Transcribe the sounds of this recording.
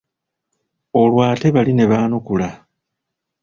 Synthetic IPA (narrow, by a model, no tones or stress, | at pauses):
o̞lwaːte̞βaline̞βaːnukula